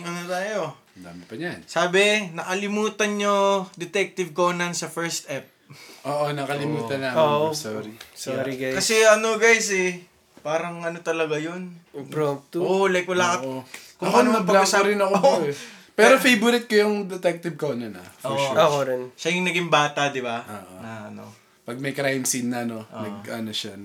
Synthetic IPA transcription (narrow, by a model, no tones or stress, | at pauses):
ŋɐnot̪aːjoɐnd̪a̰ːmɪpɐɲansaːbɛnɐkɐlɪmuːt̪ɐnɲod̪ɛt̪ɛk̚t̪ɪv̚koːnɐnsɐfɛɹst̪ʔɛp̚ʔoːʔonɐkɐlɪmuːt̪ɐnaosoɾisoɾiɡajkjɐsɛʔɐnoɡajsɛ | paːɾɐŋɐnot̪ɐlɐɡajonpɾopt̪ooolɐjk̚wɐlaːkɐokʊŋɐnɐmɐpɐsɐɾɪnɐko | pɛɾofejbʊɾɪt̪̚kojʊŋd̪ɛt̪ɛk̚t̪ɪb̚koːnɐnɐ̰oːokoɾɪnʃɐjʊŋnɐɡɪŋbaːt̪ɐd̪ɪbaoʔonɐʔɐno̰ | pɐɡ̚mɐjkɾajmsinːɐno̞ʔo̰nɐɡʔɐnoʃa